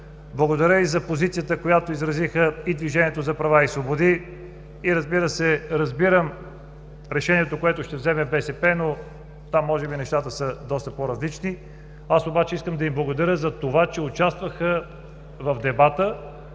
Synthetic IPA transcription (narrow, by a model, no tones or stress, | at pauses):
blˠɐɡod̪ɐɾʲəizɐpozit̪sijət̪əkojat̪oizɾɐzixəid̪viʒɛniɛt̪ozɐpɾɐvaisvobod̪i | iɾɐzbiɾəsɛɾɐzbiɾəm | ɾɛʃɛniɛt̪okoɛt̪ʊʃt̪ɛvzɛmɛbɛsɛpɛno | t̪amːɔʒɛbinɛʃt̪at̪əsəd̪ɔst̪əpoɾɐzlit͡ʃni | asobat͡ʃɛiskəmd̪ɐimblˠɐɡod̪ɐɾʲjəzɐt̪ovat͡ʃɛʊt͡ʃast̪vɐxə | vɐvd̪ɛbat̪ə